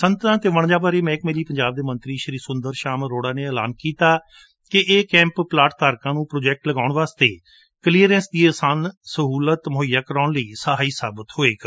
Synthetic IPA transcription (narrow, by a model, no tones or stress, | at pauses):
sənt̪ãːt̪eːʋəɳ̃d͡ʒaːbaːɾeːmɛ̃ːɪkmeːliːpəɲd͡ʒaːb̚d̪eːmə̃nt̪ɾiːʃəɾiːsʊnd̪əɾʃaːmɾoːɽaːneːəla̰ːnkiːt̪aː | kɪʔeːkɛ̃ːmpplaːʈt̪aːɾkãːnũːpɾoːd͡ʒɛːk̚ʈləɡaːʊɳʋaːst̪eː | kəliːəɾɛ̃ːnsd̪iːəːsaːnsəɦuːlət̪mʊɦəjːaːkəɾaːɳləiːsəɦaːiːsaːbət̪ɦoːeːk